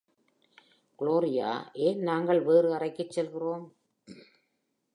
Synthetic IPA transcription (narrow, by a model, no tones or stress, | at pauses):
ɡ̥ɪɭoːɾɪja̰ːʔeːnnaːŋɡɐɭʋeːɾɯɐrɐɪkːɯt͡ʃːɛlɣɪroːm